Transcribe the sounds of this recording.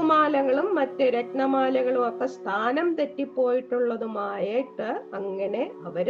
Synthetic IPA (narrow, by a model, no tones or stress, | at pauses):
umaːlɐŋːɐɭumːɐtːeɾɐʈɳɐmaːlɐɣɐɭumɐkːɐst̪ʰaːnɐmt̪etːipːo̞ːjiʈːuɭːɐðumaːjeːʈːɨɐŋːɐne̞ɐʋɐɾ